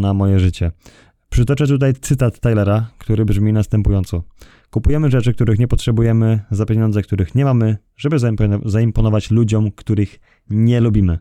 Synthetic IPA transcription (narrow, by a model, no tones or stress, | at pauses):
namɔjɛʐɘt͡ɕɛ | pʂɘt̪ɔt͡ʂɛt̪ut̪̬ajt̪sɘt̪at̪ːajlɛɾakt̪uɾɘbʐmʲinast̪ɛmpujɔnt̪sɔ | kupujɛmɘʐɛt͡ʂɘk̚t̪uɾɘxɲɛpɔtʂɛbujɛmɘzapʲjeɲɔnd̪zɛk̚t̪uɾɘxɲɛmamɘ | ʐɛbɘzaimpɔnɔvat͡ɕlud͡ʑɔmkt̪uɾɘx | ɲɛlubʲimɘ